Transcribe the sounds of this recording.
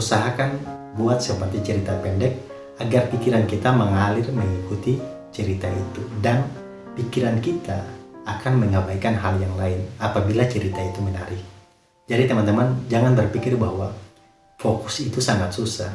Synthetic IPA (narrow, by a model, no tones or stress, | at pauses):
usaɦakan | buat̪̚səpərt̪it͡ʃəɾit̪apɛndɛk̚ | aɡarpikiɾankit̪aməŋalɪrməŋikut̪i | t͡ʃəɾit̪ait̪udan | pikiɾankit̪aːkanməŋəbaikanɦaljaŋlaɪnapabilat͡ʃəɾit̪ait̪umənaɾɪh | d͡ʒadit̪əmant̪əmand͡ʒaŋanbərpikɪrbahwa | fokusit̪usaŋat̪̚susah